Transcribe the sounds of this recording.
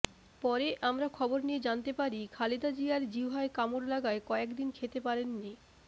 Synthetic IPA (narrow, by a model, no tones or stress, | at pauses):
pɔɾeʔamɾakʰɔboɾnied͡ʑant̪epaɾikʰalid̪ad͡ʑiaɾd͡ʑiwɦaekamoɾlaɡaekɔekd̪inkʰet̪epaɾenːi